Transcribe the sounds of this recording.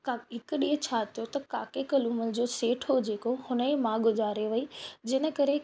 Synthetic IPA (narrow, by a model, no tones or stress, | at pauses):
kaɦɪkɗiːɦət͡ɕʰaːt̪ʰijot̪ɐkaːkekɐluːməlɪ̆d͡ʑoːseːʈʰɦod͡ʑeːkohʊnəẽmãːɠʊzaːɾeʋɐid͡ʑɪnə̆kɐɾe